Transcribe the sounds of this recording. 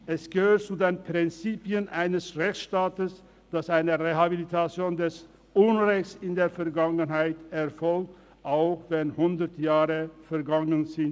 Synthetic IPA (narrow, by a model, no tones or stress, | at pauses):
ʔɛsɡ̥əhøːɐtt͡sudeːnpʁ̥ɪnt͡siːpjənʔaɪnəsʁɛçt͡sʃtaːtəs | d̥asʔaɪnəʁeɦabilitʰat͡sjoːndɛs | ʔʊnʁɛçsɪndeːɐfɛɐɡaŋənɦaɪtɛɐfɔlk̚t | ʔaʊxv̥ɛnhʊndətjaːʁəfɛɐɡaŋənzɪn